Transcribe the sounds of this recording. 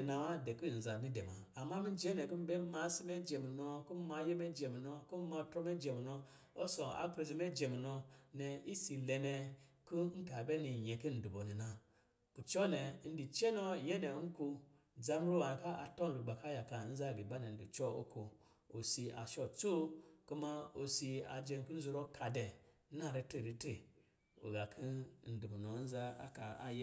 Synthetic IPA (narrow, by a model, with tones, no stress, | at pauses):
na˨wa˦de˨ku˦˨n̩˨za˨ni˦de˨ma˨a˨mːa˦mi˦d͡ʒe˦ne˨ku˦m̩˦be˦ma˧˦si˦me˦d͡ʒe˨mi˨no˧ku˦ma˧˦je˦me˦d͡ʒe˨mi˨no˧ku˦ma˧˦tɾo˦me˦d͡ʒe˨mi˨no˧ | o˦so˨a̰˨kɾe˧zi˧˦me˦d͡ʒe˨mi˨no˧ne˨i˦si˨le˧ne˧ku˦ŋ̩˦ka˨be˦ni˨ɲe˨ku˦n̩˨du˨bo˨ni˨na˦ | ku˨t͡ʃo˦ne˨˦n̩˦di˨t͡ʃe˦no˦˨je˦ne˨˦n̩˦ku˧ | d͡za˦m˦ɾo˦wa˨n˨ka˦ʔa˨to˦n˨lu˨ɡ͡ba˨ka˦ja˨ka˨˦n̩˦za˦˨ɡi˨ba˦ne˨n̩˦di˨t͡ʃɔ˦o̰˦ku˨˧ | o˨si˧a̰˨ʃɔ˦t͡so˦ku˦ma˦o˧si˧a̰˨d͡ʒe˧n˦ku˦n̩˦zu˧ɾo˦ka˨de˨˦ | na˦˨ɾe˧˦te˦˨ɾi˦te˦˨ | o̰˨ɡa˨kʰi˦n̩˦du˨bu˨no˨˦n̩˦za˦a̰˦ka˨a˨j